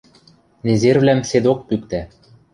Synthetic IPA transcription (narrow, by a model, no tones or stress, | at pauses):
nezervlæmsed̪ok̚pykt̪æ